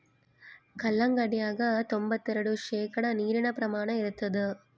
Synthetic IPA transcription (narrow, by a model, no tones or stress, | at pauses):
kɐlːɐŋɡɐɽɪjaːɣɐt̪ɔmbɐt̪ːɪɾɐɽɯʂeːkɐɽɐniːɾɪɳɐpɾɐmaːɳɐ̃mɪɾɯt̪ːɐðɯ